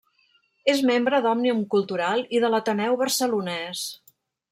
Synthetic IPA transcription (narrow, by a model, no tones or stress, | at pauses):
ezmembɾəðɔmnimkulˠt̪uɾalˠiðələt̪ənɛwβərsəlunɛs